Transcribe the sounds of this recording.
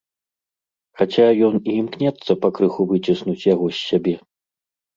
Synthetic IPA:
xat͡sʲajɔniːmknʲɛt̪sːɐpɐkɾɨxuvɨt͡sʲisnut͡sʲjaɣɔsʲːabʲɛ

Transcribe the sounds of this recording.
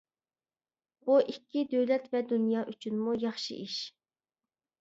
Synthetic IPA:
b̥uʔikʲːid̪øwlɛt̪vɛd̪unjɑːʔyt͡ʃʰynmujɑχʃɨ̰ʔiʃ

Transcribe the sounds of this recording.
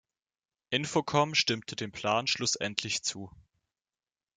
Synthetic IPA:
ʔɪnfokʰɔmʃtɪmtʰədeːnpʰl̥aːnʃlʊsʔɛ̰ntʰlɪçt͡suː

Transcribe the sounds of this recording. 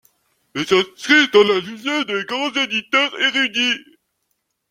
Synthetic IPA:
ezɛ̃sχid̪ɑ̃lalyzjed̪eɡʁɑ̃zed̪it̪œʁeʁyd̪i

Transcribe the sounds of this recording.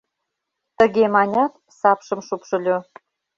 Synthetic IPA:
t̪əɣemɑnʲɑt̪ | sɑpʃɤ̆mʃupʃɤ̆lʲo

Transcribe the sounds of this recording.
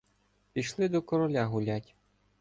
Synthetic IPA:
pʲiʃlˠɪd̪ɔkɔɾɔlʲaɦʊlʲatʲ

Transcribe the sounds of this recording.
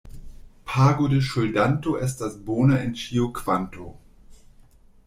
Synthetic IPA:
pʰaːɡodeʃʊldantoʔɛs̬t̚d̥asboːnɐɪnt͡ʃiokʰv̥anto̰

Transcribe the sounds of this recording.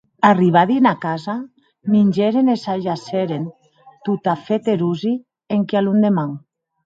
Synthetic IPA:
ariβ̞aðinakaza | minʲd͡ʒeɾenesaʒaseɾen | t̪ut̪afet̪eɾuzi | eŋkealund̪emaŋ

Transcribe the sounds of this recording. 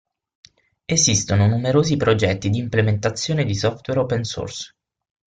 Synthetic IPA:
ezist̪ononumeɾoːzipɾod͡ʒɛt̪ːid̪iːmplement̪at̪sːjoːned̪isɔft̪wɛɾɔpenso̰rs

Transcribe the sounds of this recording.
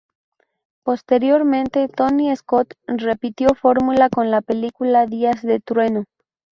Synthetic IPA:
po̞st̪e̞ɾjo̞ɾmẽ̞nt̪e̞t̪o̞niesko̞t̪re̞pit̪jo̞fo̞ɾmulako̞nlape̞likulaðiazðe̞t̪ɾwe̞no

